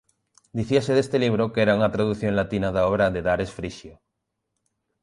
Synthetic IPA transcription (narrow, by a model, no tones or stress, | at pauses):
d̪iθiaseðest̪eliβ̞ɾokɛɾauŋat̪ɾaðuθjoŋlat̪inaðaɔβ̞ɾaðeðaɾesfɾiʃjo